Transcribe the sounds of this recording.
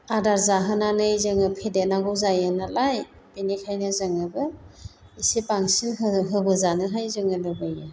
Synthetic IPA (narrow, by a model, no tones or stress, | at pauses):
adaɾzaɦɯnanɯjzɯŋɯpʰedenaɡɯwzajɯnalaj | b̥enikʰajnɯzɯŋɯbɯ | isepaŋsinɦɯbɯzanɯɦajzɯŋɯlɯbɯjɯ